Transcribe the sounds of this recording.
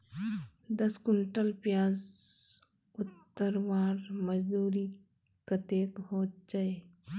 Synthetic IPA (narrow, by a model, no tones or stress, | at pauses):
d̪ɐskʊɳʈəlpjaːz | ʊt̪ːəɾwaːɾməd͡ʒd̪uːɾi | kɐt̪eːkɦoːt̪̚d͡ʒae